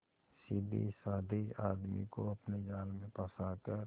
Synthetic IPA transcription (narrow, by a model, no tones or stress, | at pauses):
siːbḭsaːd̪ʱia̰ːd̪mḭkoɐpned͡ʒaːlmẽpəsakəɾ